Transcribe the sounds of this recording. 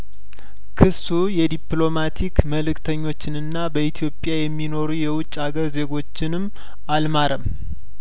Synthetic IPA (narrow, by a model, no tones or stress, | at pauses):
kʰɨsːujɛd̪iplo̞mat̪ʰikməlɨkt̪ʰəɲːo̞t͡ʃːɪnɨnːabəit̪ʰjo̞pʼːjajɛmːino̞ɾujɛwʊt͡ʃʼːaɡəɾze̞ɡo̞t͡ʃːɪnɨmː | almaɾəm